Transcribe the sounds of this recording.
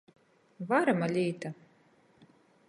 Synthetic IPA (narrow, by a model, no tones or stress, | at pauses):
vaɾamalʲiːt̪a